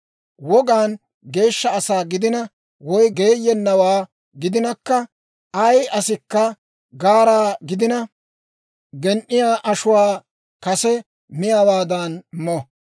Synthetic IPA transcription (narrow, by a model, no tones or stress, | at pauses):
wɔɡaːn | ɡe̞ːʃːɐːsaːɡɪd̪ɪnɐ | wɔjɡe̞ːjːɛnːɐwaː | ɡɪd̪ɪnɐkːɐ | ɐjʔɐsɪkːɐ | ɡaːɾaːɡɪd̪ɪnɐ | ɡɛnʔɪjaːʔɐʃʊwaː | kɐsɛ | mɪjaːwaːd̪ɐnmɔ